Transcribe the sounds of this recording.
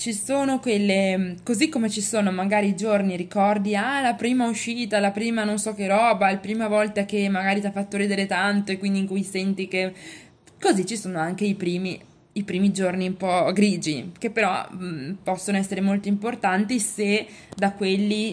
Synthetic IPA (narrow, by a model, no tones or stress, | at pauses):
t͡ʃisoːnokwelːekozikːomet͡ʃisoːnomaɡaːɾiːd͡ʒorniɾikɔrd̪ialapɾiːmauʃiːt̪alapɾiːmanonsɔkerɔːbalpɾiːmavɔlt̪akemːaɡaːɾit̪iafːat̪ːoɾiːd̪eɾet̪ant̪oekwind̪iŋkujsɛnt̪ike | kozit͡ʃːisoːnoaŋk̟eipɾiːmiː | pɾiːmid͡ʒorniumpɔɡɾiːd͡ʒikepːeɾɔ̰pɔsːonoɛsːeɾemolt̪oimport̪ant̪ised̪akwelːi